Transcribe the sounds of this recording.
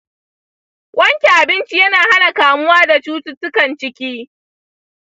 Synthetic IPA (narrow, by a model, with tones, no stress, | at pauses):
wʔɐ˦ŋkʲe˨ʔa˨bɪ˦nt͡ʃi˦jɐ˦naː˨ɦa˦na˨kaː˨mʊ˦waː˦da˨t͡ʃuː˦tʊ˦tʊ˦kɐ˨nt͡ʃɪ˦kʲiː˦